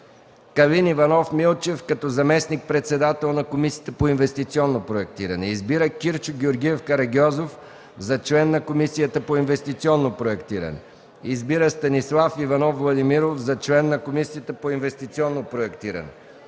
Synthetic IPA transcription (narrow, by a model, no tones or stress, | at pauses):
kɐlinivɐnɔfmilˠt͡ʃɛfkɐt̪ɔzɐmɛsnik̚pɾɛt̪sɛd̪at̪ɛlˠnɐkomisiət̪əpoinvɛst̪it̪siɔnːopɾoɛk̚t̪iɾɐnɛizbiɾəkʲiɾt͡ʃʊɡʲɛoɾɡʲiɛfkɐɾɐɡʲɔzof | zɐt͡ʃlɛnːɐkomisijət̪əpoinvɛst̪it̪siɔnːopɾoɛkt̪iɾɐ̰nɛ̰ | izbiɾəst̪ɐnislˠafivɐnɔfvlˠɐd̪imiɾofzɐt͡ʃlɛnːɐkomisiət̪əpoinvɛst̪it̪siɔnːopɾoɛkt̪iɾɐ̰nɛ̰